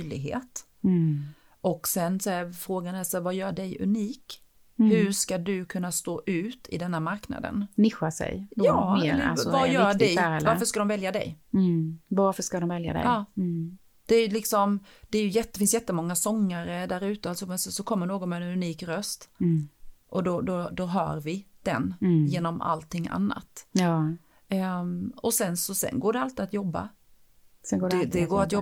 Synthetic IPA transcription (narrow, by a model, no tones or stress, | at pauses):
lɪ̰ɡɦḛːt̪ | ʔɔksɛnsɔɛfɾoːɡanɛsɛvajœːɖɛjɵ̰niːk | hɵʂkad̪ɵkʰɵnːast̪oːʔʉ̟ːt̪ʰɪ̰d̪ɛnːamaɾkna̰d̪ə̰nnɪɧasɛ̰jɑːmːɾa̰lsɔvajœːd̪ɛjɛvaɾfəʂkad̪ɔmvɛljad̪ɛ̰j | vaɾfəʂkad̪ɔmvɛlja̰d̪ɛ̰ɑː | d̪̥ɛːɾjlɪksɔmd̪̥ɛæɾjɵjɛt̪ːəfɪns̬jɛt̪ːəmɔŋːasɔŋːaɾəd̪æɾʉ̟ːt̪əalsɔmɛnsɔsɔkʰɔmːəɳoːɡɔnmɛɛnʉniːkɾœst̪ | ʔɔd̪ɔd̪ɔd̪ɔɦœ̰ːɾvɪd̪̥ɛ̰njeːnɔma̰lt̪ʰːɪŋːa̰nːa̰t̪ | ɔsɛnsɔsɛ̰nɡoːɖɛalt̪ɪat̪jɔbːa̰ | sɛɡoːd̪ɛdd̪ɛɡoːɾat̪jɔ